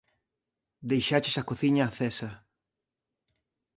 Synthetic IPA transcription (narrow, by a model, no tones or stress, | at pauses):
d̪ejʃat͡ʃɪsakoθiɲaːθesɐ